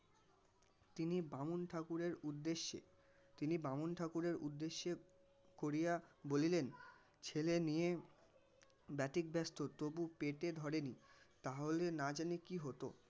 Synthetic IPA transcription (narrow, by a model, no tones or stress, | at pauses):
t̪inibamunʈʰakuɾeɾud̪ːeʃḛ | t̪inibamunʈʰakuɾeɾṵd̪ːeʃːe | koɾijabolilen | t͡ɕʰelenije | bɛʈik̚bʱɛst̪ot̪obupeʈed̪ʱɔɾenit̪aɦolenad͡ʑanikiɦot̪o̰